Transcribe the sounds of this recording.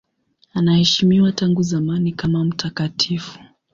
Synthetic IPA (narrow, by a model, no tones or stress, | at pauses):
anahɛʃimiwataŋɡuzamanikamam̩tʰakatʰifu̥